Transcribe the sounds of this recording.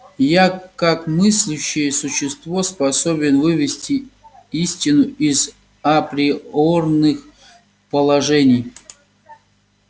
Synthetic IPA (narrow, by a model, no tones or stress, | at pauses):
jakakmɨsʲlʲʊɕːɪjəsʊɕːɪst̪vo̞spɐsobʲɪnvɨvʲɪsʲtʲiisʲtʲɪnʊiz | ɐpɾʲɪornɨx | pəlˠɐʐɛnʲɪj